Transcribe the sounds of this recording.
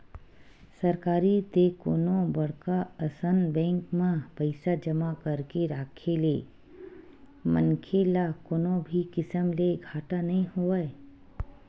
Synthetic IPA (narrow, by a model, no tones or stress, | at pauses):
sɐɾkaːɾit̪eko̰ːnõbɐɽkaəsənbɛ̃ːŋkmãpəɪsad͡ʒəmakəɾkeɾaːkʰele | mə̰nkʰelakoːnõbʱikɪsəmleɡʱaːʈanɐɦĩɦoːae